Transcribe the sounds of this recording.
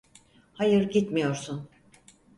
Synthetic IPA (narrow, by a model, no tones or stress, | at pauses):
hajɯɾɟit̪mijo̞ɾsun